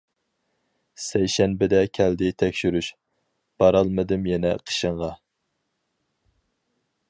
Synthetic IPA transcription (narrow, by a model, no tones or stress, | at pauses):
sɛjʃɛnbɪd̪ɛkʲʰɛld̪ɪt̪ʰɛkʲʃyɾyʃ | b̥ɑɾɑlˠmɨd̪ɨmjɛnɛqʰə̥ʃəɴʁɑ